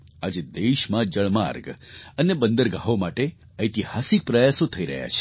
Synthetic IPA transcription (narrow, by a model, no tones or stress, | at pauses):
a̰d͡ʒed̪eʃmãd͡ʒəɭmaɾɡənebənd̪əɾɡaɦomaʈe | əjt̪ihasik̚pɾəjasot̪ʰəiɾə̰ɦja̰t͡ʃʰe̥